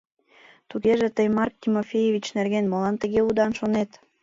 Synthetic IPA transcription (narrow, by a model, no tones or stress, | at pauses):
t̪uɣeʒĕt̪əjmɑrk̚t̪ʲimofʲejevʲit͡ɕnerɣenmolɑnt̪əɣeud̪ɑnʃonet̪